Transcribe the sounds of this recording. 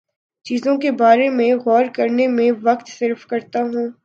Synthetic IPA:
t͡ʃiːzõkebaːɾemẽɣɔːɾkɐɾnemẽʋɐqt̪sɪɾfkɐɾt̪aɦũː

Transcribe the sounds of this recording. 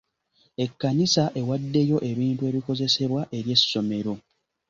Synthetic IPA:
e̞kːanisaʔe̞wadːe̞jo̞ʔe̞βiːntue̞ːβiko̞ze̞se̞βwaʔe̞ɾje̞sːo̞me̞ɾo̞

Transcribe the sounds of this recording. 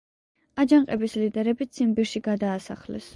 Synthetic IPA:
ad͡ʒaŋqʼɛbislid̪ɛɾɛbit̪sʰimbiɾʃiɡad̪aːsa̰χlɛ̰s

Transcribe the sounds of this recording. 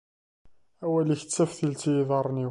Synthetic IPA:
æwæliçt͡sːæfθilt͡sijðˤɑɾˤni

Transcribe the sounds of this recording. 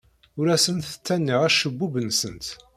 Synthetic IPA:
ʊɾæsənθə̥t͡sːænːiʁæʃːəbːubənsənt̪

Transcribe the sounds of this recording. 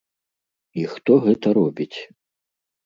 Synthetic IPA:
ixt̪ɔɣɛt̪ɐɾɔbʲit͡sʲ

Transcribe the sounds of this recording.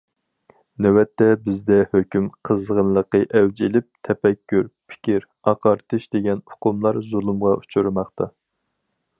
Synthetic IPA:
nɛwɛt̪ːɛbɪzd̪ɛhøkʲymqʰəzʁənlˠəqːəʔɛwd͡ʒilɪp̚t̪ʰɛpɛkʲʰːyɾpʰɪ̥kʲʰiɾ | ɑqʰɑɾt̪ʰɨʃd̪̥eɡʲɛnʊqʰʊmlˠɑɾzulˠumʁɑʔu̥t͡ʃʰuɾmɑχt̪ɑ

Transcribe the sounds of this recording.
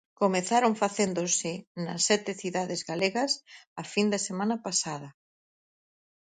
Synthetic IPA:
komeθaɾoɱfaθend̪osɪnɐsːɛt̪ɪθiðaðɪzɣaleɣɐsɐfind̪ɐsemãnɐpasaðɐ

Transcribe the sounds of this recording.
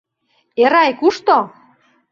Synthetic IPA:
eɾɑjkuʃt̪o

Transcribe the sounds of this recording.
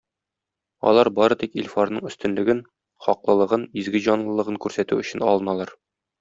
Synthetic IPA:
ɒ̰lˠɑɾbɒɾɤt̪ikilʲfoɾnɤɴɵ̆st̪ɘ̆nlɘ̆ɡɘn | χɒqlˠɤ̆lˠɤ̆ʁɤnizɡɘʑɒnlˠɤ̆lˠɤ̆ʁɤŋkʉɾsæt̪ʉɵ̆ɕɘnɒ̰lˠɤ̆nɑlˠɑɾ

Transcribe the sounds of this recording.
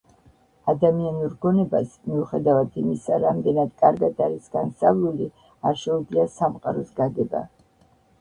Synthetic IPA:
ad̪amianuɾɡɔnɛba̰smiuχɛd̪avad̪ʰimisaɾamd̪ɛnad̪kʼaɾɡad̪aɾisɡ̥ansavlˠuli | aɾʃɛud̪zliasamqʼa̰ɾɔsɡaɡɛba̰

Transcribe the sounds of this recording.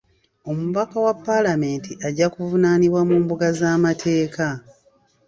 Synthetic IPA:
o̞muβakawapːalame̞ːntiʔaɟakuvunaːniβwamuːmbuɡazaːmatʰe̞ːka

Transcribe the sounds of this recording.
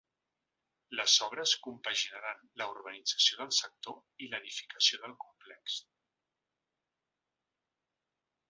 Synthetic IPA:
ləzɔβ̞ɾəskumpəʒinəɾanləuɾβənid͡zəsioðəlˠsək̚t̪oiləðifi̥kəsioðəlˠkumplɛks

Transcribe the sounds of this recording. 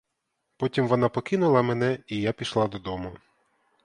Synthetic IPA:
pɔtʲimʋɔnɑpɔkɪnʊlˠɐmenɛijapʲiʃlˠɑd̪ɔd̪ɔmʊ

